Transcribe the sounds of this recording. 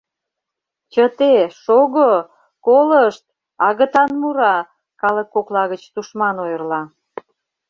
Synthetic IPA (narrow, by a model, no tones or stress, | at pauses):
t͡ɕət̪eʃoɣo | koləʃt̪̚ | ɑɣə̆t̪ɑnmuɾɑ | kɑləkːoklɑɣət͡ɕt̪uʃmɑnojərlɑ